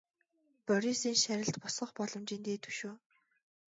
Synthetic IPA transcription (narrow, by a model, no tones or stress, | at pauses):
pœɾʲisiːŋʃæɾʲɪ̆ɬt̪pʊsʁɞ̆χpɔɮɞ̆mt͡ɕiːnt̪eːt̪ʰɵ̥ʃuː